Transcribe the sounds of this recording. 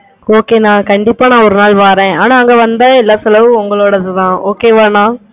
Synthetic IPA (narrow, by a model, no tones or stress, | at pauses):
oːkeːnãːkɐɳɖɪpːaːnãːɔɾɯnaːlʋaːɾẽːaːnaːŋɡeːʋɐnd̪ɐɪlːaːsɛlɐʋɯʊŋɡɐɭoːɽɐðɯðãːʔoːkeːʋaːnãː